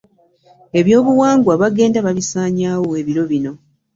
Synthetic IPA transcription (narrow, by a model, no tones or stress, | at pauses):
e̞βjo̞ːβuwaːŋɡwaβaɡe̞ːndaβaβisaːɲaːwoeβiɾo̞βino̞